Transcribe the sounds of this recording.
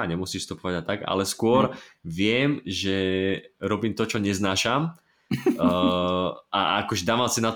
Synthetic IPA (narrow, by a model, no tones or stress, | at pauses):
aɲɛmusiːfst̪upɔʋaɟat̪aɡa̰lɛskʊɔɾʋɪɛmʒɛɾɔbiːmt̪ɔt͡ʃɔɲɛznaːʃam | aakɔʒɛd̪aːʋamsinat̪